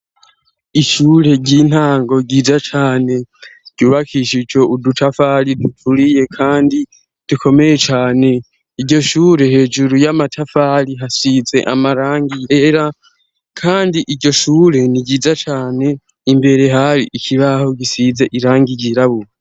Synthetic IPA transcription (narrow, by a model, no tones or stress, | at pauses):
iʃuːɾe̞ɟiːn̥haːŋɡo̞ɟiːzat͡ʃaːne̞ɟ̥uːβakʰiʃid͡ʒo̞udutʰafaɾidutuɾije̞kʰaːndi | d̥ukʰo̞me̞je̞t͡ʃaːne̞ | iɟɟo̞ʃuːɾe̞he̞ːd͡ʒuɾujamatʰafaɾiɦasize̞̰ʔa̰maɾaːŋɡijeɾa | kʰaːndiʔiɟo̞ʃuːɾe̞niɟiːzat͡ʃaːne̞ | imbe̞ɾe̞ɦaɾiʔikʰiβaho̞ɡisize̞ʔiɾaːŋɡiɟiɾaβue